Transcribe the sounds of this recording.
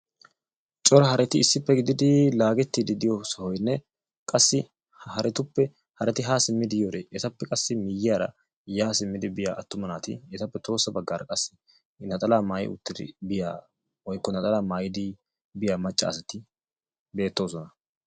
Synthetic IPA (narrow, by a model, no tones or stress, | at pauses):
t͡ʃʼɔɾɐɦɐɾɛt̪ɪɪsːɪpːɛɡɪd̪ɪd̪ɪlaːɡɛt̪ːid̪ɪd̪ɪjɔsɐhɔjnːɛ | kʼɐsːɪ | hɐɾʔɛt̪ʊpːɛ | hɐɾɛt̪ɪɦaːsɪmːɪd̪ɪjoɾɛʔɛt̪ɐpːɛkʼɐsːɪmɪjɪaːɾɐ̰ | jaːsɪmːɪd̪ɪbɪja̰ːʔɐt̪ːʊmɐnaːt̪ɪ̰ɛt̪ɐpːɛt̪o̞ːsːɐbɐɡːaːɾɐkʼɐsːɪ̥ | nɐt̪ʼɐlaːmaːjɪ̰ʊ̰t̪ːɪd̪ɪ̰bɪja̰ː | wɔjkːɔnɐt̪ʼɐlaːmaːjɪd̪ɪ | bɪjaːmɐt͡ʃʼːɐ̰ːsɐt̪ɪ | be̞ːt̪ːo̞ːsɔnɐ